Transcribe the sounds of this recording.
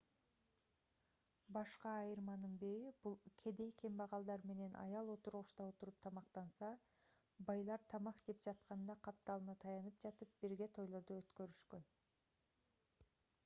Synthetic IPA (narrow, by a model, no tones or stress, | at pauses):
bɑʃqɑːjɯɾmɑnɯnbiɾibulˠkʰe̞d̪e̞jkʲʰembɑʁɑlˠd̪ɑɾme̞ne̞nʔɑ̰jɑlˠo̞t̪uɾʁuʃt̪ɑot̪uɾup̚t̪ʰɑmɑqt̪ɑnsɑ | bɑjlˠɑɾt̪ʰɑmɑqd͡ʒe̞p̚d͡ʒɑt̪qɑnd̪ɑqʰɑp̚t̪ɑlˠɯnɑt̪ʰɑjɑnɯp̚d͡ʒɑt̪ɯp̚b̥iɾɡe̞t̪ʰo̞jlˠo̞ɾd̪uøt̪kø̞ɾyʃkø̞n